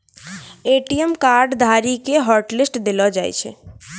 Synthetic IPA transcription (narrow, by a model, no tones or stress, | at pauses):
eʈiemkaɾɖd̪ʱaɾikeɦɔɾʈlisʈd̪elɔd͡ʒajt͡ʃʰɛ̰